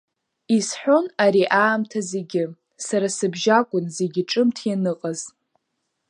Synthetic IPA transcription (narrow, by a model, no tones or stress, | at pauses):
isħᶣʷo̞naɾiʔaːmtʰaze̞ɡʲɪ | saɾasɨbʒakʷʼʊnze̞ɡʲɪʈ͡ʂʼɨmtʰjanɨqʼaz